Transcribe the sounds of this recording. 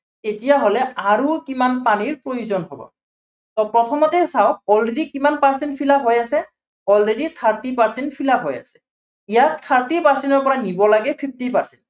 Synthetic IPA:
tetijaɦolɛaɹukimanpaniɹpɹojuzɔnɦobɔ̰ | tɔpɹɔtʰɔmɔtɛsawɔlɹedikimanpaɹsɛntpʰilabɦojasɛ | ɔlɹeditʰaɹtipaɹsɛntpʰilaɦoja̰sɛ̥ | ijat̪ʰːaɹtipaɹsɛntɔɹpɔɹanibɔlaɡɛpʰip̚ʰtipaɹsɛnt

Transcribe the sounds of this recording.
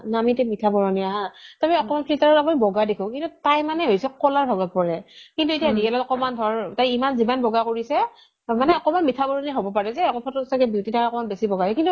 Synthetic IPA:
namitɛmitʰabɔɹɔniaɦãtamiɔkɔmanpɹitaɹɔapunibɔɡadekʰɔ̃kintutajmanɛɦojsɛkɔlaɹbʱɔɡapɔɹɛkintuetiadiɛlɔtɔkɔmandʱɔɹtajimanzimanbɔɡakoɹisɛ | manɛɔkɔmanmitʰabɔɹɔniɦobɔpaɹɛzɛɔkɔpʰɔtɔsakɛbiwtitʰaaɔkɔmanbesibɔɡaɛkintu

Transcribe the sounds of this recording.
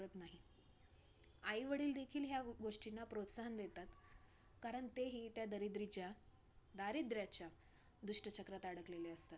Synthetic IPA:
ɾət̪naɦi | aiʋəɽiːld̪ekʰiːlɦjaɡoʂʈinːapɾot̪saɦənd̪et̪at̪ | kaɾəɳt̪eɦiːt̪jad̪əɾid̪ɾit͡ɕja | d̪aɾid̪ɾjat͡ɕja | d̪uʂʈət͡ɕʰəkɾat̪aɽəkleleəst̪at̪̚

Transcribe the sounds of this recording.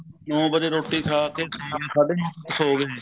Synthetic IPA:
nɔ̃ːbəd͡ʒeːɾoːʈːiːkʰaːkeːsʰaːeːsaːɖeːɦsoːɡeɛː

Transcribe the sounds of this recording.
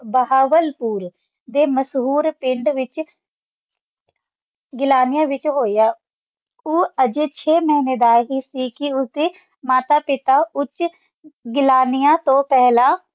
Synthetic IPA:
bəɦaːʋəlpuːɾ | d̪eːməsɦuːɾpɪɳɖʋɪt͡ʃ | ɡɪlaːnɪjãːʋɪt͡ʃɦoːijaː | uːəd͡ʒeːt͡ʃʰeːməɦineːd̪aːɦiːsiːkɪʊt̪eː | maːt̪aːpɪt̪aːʊt͡ʃ | ɡɪlaːnɪjãːt̪õːpɛɦlãː

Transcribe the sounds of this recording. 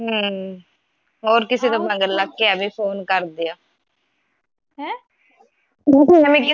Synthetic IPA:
ɦəː | ɦoːɾkɪseːd̪oːbə̃ŋɡəlːaːkeaːbiːpʰoːnkəɾd̪eːaː | ɦɛ̃ː | əmĩːkɪ

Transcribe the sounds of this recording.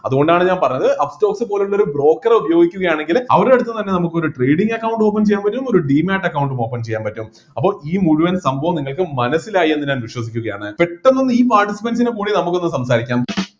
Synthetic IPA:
ɐðuɣo̞ɳɖaːɳɨɲaːnpɐrɐɲːɐðɨʔɐpsto̞ːksɨpo̞ːleuɭːɐo̞ɾubro̞ːkːɐreubɐjo̞ːɡikʲːuɣɐjaːɳe̞ŋɡilɐʋɐɾeeɽut̪ːɨt̪ɐnːe̞nɐmukːo̞ɾuʈrejɽiŋɡɐkːɐwɳɖɨmoːp̬ːɐmt͡ɕe̞jːaːnmpɐtːumo̞ɾuɖiːmaːʈːɐkːɐwuɳɖumo̞ːpːɐmt͡ɕe̞jːaːnmpɐtːum | ɐpːo̞ːɭiːmuɻuʋɐnsɐmbʱɐʋɐmniŋːɐɭkɨmɐnɐsːilaːjie̞nːɨɲaːnʋiʂwɐs̬ikʲːuɣɐjaːɳɨpe̞ʈːenːonːɨiːpaːrʈisipɐns̬inekuːɽinɐmukːo̞nːɨsɐmsaːɾikʲːaːm

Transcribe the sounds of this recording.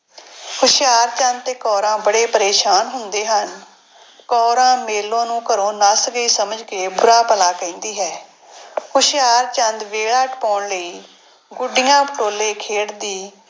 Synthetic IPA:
kʰʊʃɪjaːɾt͡ʃə̃nd̪̚t̪eːkɔːɾãːbəɽeːpəɾeːʃaːnɦʊnd̪eːɦən | kɔːɾãːmeːlːõːnũːkəɾõːnəsɡəiːsəməd͡ʒkeːbʊɾaːpəlaːkəĩːnd̪iːɦɛː | kʊʃɪjaːɾt͡ʃə̃nd̪ʋeːɭaːʈpɔːɳləiː | ɡʊɖɪjãːpəʈoːleːkʰeːʈd̪iː

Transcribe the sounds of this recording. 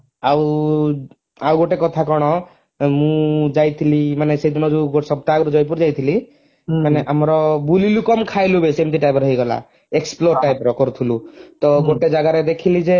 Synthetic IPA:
aw | awɡoʈekɔt̪ʰakɔɽ̃ɔ | mũd͡ʒajt̪ʰilimanesejd̪ʱinɔd͡ʒuɡoʈsɔb̚t̪akɔɾud͡ʒɔjp̬uɾd͡ʒajt̪ʰili | maneʔamɾɔbulilukɔmkʰajlubesemt̪̬iʈajbɔɾɔɦiɡɔla̰ | eksploɾʈajpɾɔkɔɾut̪ʰilut̪ɔɡoʈed͡ʒaɡaɾed̪ekʰilid͡ʒe

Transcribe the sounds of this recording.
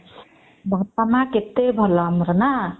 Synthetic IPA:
bʱʌp̪amaket̪ːebʱʌlʌmɾʌna

